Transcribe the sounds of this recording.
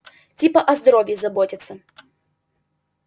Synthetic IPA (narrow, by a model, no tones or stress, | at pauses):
tʲipəʔɐzd̪ɐɾovʲjɪzɐbotʲɪt̪sːə